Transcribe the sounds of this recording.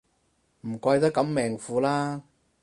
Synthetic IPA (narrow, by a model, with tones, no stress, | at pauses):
m̩˨˩kʷɐ˧jt̪ɐ˥kːɐ˨˥mːɛː˨˩ŋfuː˨˧laː˥